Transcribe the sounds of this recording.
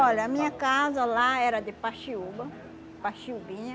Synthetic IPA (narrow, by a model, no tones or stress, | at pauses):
ɔʎɐːmĩɲɐkazɐlaɛɾɐd̪ɪpaʃiubɐ | paʃiubĩɲɐ